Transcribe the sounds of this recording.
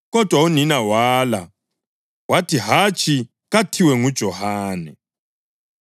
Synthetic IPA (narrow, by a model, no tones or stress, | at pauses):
kɔd̥ʱwauninawaːla̰ | watʰiɦat͡ʃʰi | ɣatʰiwɛŋud̥ʒ̥ʱɔhaːnɛ̰